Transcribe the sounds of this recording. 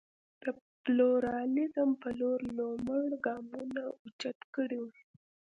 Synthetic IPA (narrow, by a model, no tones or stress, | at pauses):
d̪̥ə | pluɾɑlɪzəmpəloɾlomaɳɡɑmunaut͡ʃat̪kəɽiwu